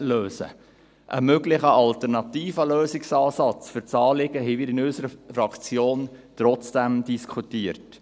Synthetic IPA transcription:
løːsə̰ | ʔə̰møɡlɪχəʔɑlt̪ɛɾnɑtiːfəløːsɪksɑːsɑt͡sfʏɾt͡sɑːlɪɡ̥əɦɛvɪɾɪnɵsəɾəfɾɑkt͡sjoːnt̪ɾɔt͡sd̥ɛmdiskʰutiːəɾt

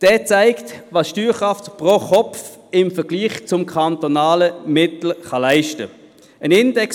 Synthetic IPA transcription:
d̥ɛːt͡saɪktvɑːsʃtyːχʁɑftpʁoχɔpf | ɪmfɛʁɡ̥liːχt͡sʊmkʰɑntonɑːləmɪtl̩χɑlaɪʃtə̰ | ʔənɪndɛk

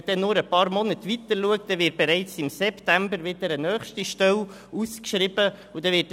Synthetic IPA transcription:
d̥ɛnʊɾəpɑːɾmɔnət̪ʋit̪əluək̚t̚d̥ɛʋɪːt̚b̥ɛɾɛɪt͡sɪmsɛptæmbəɾvɪdəɾənœːχʃtiʃtœl | uskʃɾɪb̥ə | udɛʋɪt

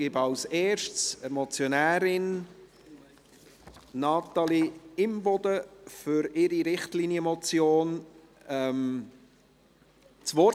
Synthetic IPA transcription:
ɪbɑʊseːʃtt͡səmɔt͡sjonæːɾɪn | nɑt̪ɑliɪmbɔd̪əfʏɾɪɾiɾɪχtliːnjəmɔt͡sjoːn | ɛm | t͡sʋɔ

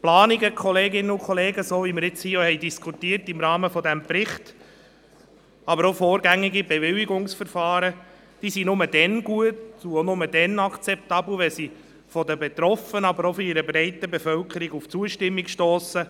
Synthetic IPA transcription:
plɑːniɡəkʰχɔleːɡɪnːəukʰɔleːɡəsoːviməɪɾɪt͡shiːɔhɛɪdiskʰutiːərtɪmɾɑːməfɔd̪æmpɾɪχt | ɑbəɾofoːɾɡæŋːiɡibɛvɪliɡʊŋsfəɾfɑːɾə | d̥iːsinʊməd̥ɛnɡuətuonʊmədɛnɑkt͡sɛp̚tɑbl̩ʋɛsi | fɔd̪əbet̪ɾɔfənɑbəɾɔfɔiɾəbɾɛɪtəbefœlkʰəɾiɡuft͡suəʃtɪmːikʃtoːsə

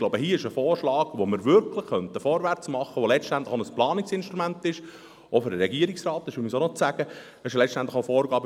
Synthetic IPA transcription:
loʊbəɦiːəɪʃəfɔːrʃlɑːɡ̥ʋomɪɾʋʏɾkʰlˠɪχːœnt̪əfɔːɾʋært͡smɑχːəʋolɛt͡ʃtænt̪ləχonəsplɑːniksɪnʃtɾumænt̪ɪʃ | ofʏɾəɾɛɡiːəɾɪksrɑːt̪ːɪʃʊmisonɔt͡sæɡ̥ə | ɛɪʃlɛt͡ʃtænt̪ləxofɔːɾɡɑːb

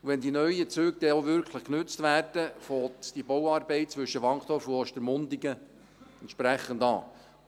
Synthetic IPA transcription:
ʋɛnd̪inœʏət͡søːɡ̚d̥ɛoʋʏɾkʰləχknɵt͡st̪ʋæːrd̥əfɔːt̪d̥ibowɑːrbɛɪt̚t͡sʋʏʃːəʋɑŋχt̪ʰɔfuɔʃt̪əɾmʊnd̪iɡə | ɛntt͡ʃʃpɾæχəndɑ̰ː

